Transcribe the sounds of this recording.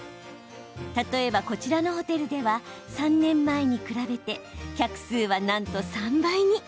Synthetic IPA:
t̪at̪o̞e̞bako̞t͡ɕiɾano̞ɦo̞t̪e̞ɾɯ̟d̪e̞βasãnːẽ̞mːae̞ɲ̟ikɯ̟ɾabe̞t̪e̞kʲakɯ̟̥sɨːβanãnt̪o̞sãmbaiɲ̟i

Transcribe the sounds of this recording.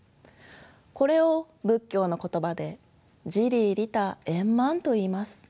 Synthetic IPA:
ko̞ɾe̞o̞ | bɯ̟kʲːo̞ːno̞ko̞t̪o̞bad̪e̞ | d͡ʑiɾʲiːɾʲit̪aẽ̞mːãnt̪o̞iːmasɨ̥

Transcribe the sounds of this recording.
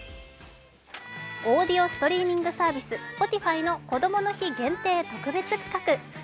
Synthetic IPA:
o̞ːd̪ʲio̞sɨ̥t̪o̞ɾʲiːmʲĩŋɡɯ̟saːbʲisɨsɨ̥po̞t̪ʲiɸaino̞ko̞d̪o̞mo̞no̞çiɡẽ̞nt̪e̞ːt̪o̞kɯ̟be̞t͡sɨkʲi̥kakɯ̟

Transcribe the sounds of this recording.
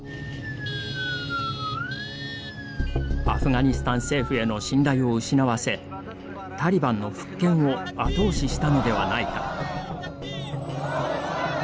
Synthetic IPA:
a̰ɸɯ̟ɡaɲ̟isɨ̥t̪ãɰ̃se̞ːɸɯ̟e̞no̞ɕĩnɾaio̞ɯ̟ɕinaβase̞ | t̪aɾʲibãnːo̞ɸɯ̟̥kːẽ̞ɰ̃o̞at̪o̞ːɕiɕi̥t̪ano̞d̪e̞β̞a̰nait̪ḁ

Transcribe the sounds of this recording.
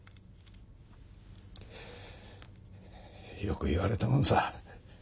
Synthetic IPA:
jokɯ̟iβaɾe̞t̪amõnsa

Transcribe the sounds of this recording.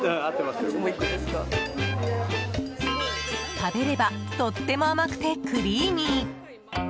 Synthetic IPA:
at̪ːemasooikːɯd̪esɨ̥ka | t̪abe̞ɾe̞bat̪o̞t̪ːe̞mo̞amakɯ̟̥t̪e̞kɯɾʲiːɲ̟i

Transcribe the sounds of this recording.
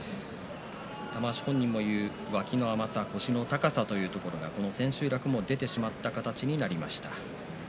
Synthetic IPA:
t̪amaɕi̥hõ̞ɲ̟ːĩmːo̞jɯ̟ː | βakʲino̞amasako̞ɕino̞t̪akasat̪o̞jɯ̟ːt̪o̞ko̞ɾo̞ɡako̞no̞sẽ̞ɕɨːɾakɯ̟mo̞d̪e̞t̪e̞ɕimat̪ːakat̪at͡ɕiɲ̟inaɾʲimaɕi̥t̪ḁ

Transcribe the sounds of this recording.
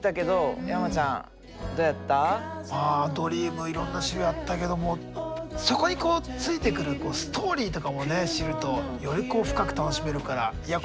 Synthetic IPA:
it̪ake̞d̪o̞jamat͡ɕãŋ | d̪o̞ːjat̪ːamaːd̪o̞ɾʲiːmɯ̟iɾõ̞nːaɕiɾojat̪ːake̞d̪o̞mo̞ | so̞ko̞ɲ̟iko̞ːt͡sɨit̪e̞kɯ̟ɾɯ̟ko̞ːsɨ̥t̪ʰo̞ːɾʲiːt̪o̞kamo̞ne̞ɕiɾɯ̟t̪o̞jo̞ɾʲiko̞ːɸɯ̟̥kakɯ̟̥t̪anoɕime̞ɾɯ̟kaɾa̰ija

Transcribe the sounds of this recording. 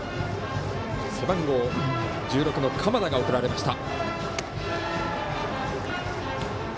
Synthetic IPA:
sebãŋɡo̞ː | d͡ʑɨːɾo̞kɯ̟no̞kʰamad̪aɡaokɯ̟ɾaɾe̞maɕi̥t̪a

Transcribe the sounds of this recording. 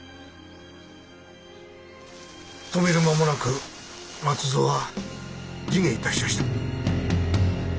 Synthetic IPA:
t̪o̞me̞ɾɯ̟mamo̞nakɯ̟ | mat͡sɨzo̞ːβa | d͡ʑiŋeit̪aɕimaɕi̥t̪ḁ

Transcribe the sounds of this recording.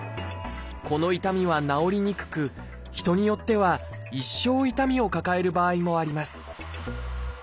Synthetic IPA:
ko̞no̞it̪amʲiβ̞anao̞ɾʲiɲ̟ikɯ̟̥kɯ̟ | çi̥t̪o̞ɲ̟ijo̞t̪ːe̞β̞a | iɕːo̞ːit̪amʲio̞kakae̞ɾɯ̟baːimo̞aɾʲimasɨ̥

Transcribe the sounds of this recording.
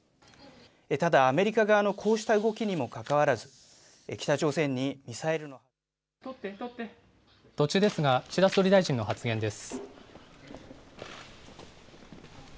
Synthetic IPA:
et̪ad̪aːme̞ɾʲikaɡaːno̞kʰo̞ːɕi̥t̪aɯ̟ɡo̞kʲiɲ̟imo̞kakaβaɾazɨ̥ | ekʲi̥t̪at͡ɕo̞ːsẽ̞ɲ̟ːimʲisaeɾɯno̞h | t̪o̞t͡ɕɨːd̪e̞sɨɡaɕid̪asɨoɾʲid̪aiʑĩnːo̞ɦat͡sɨɡẽ̞nd̪e̞sɨ̥

